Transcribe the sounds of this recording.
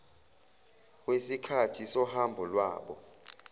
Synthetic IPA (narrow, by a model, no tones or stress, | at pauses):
k̬ʼwesikʰatʰisɔhambʱɔlwa̰ːɓɔ̰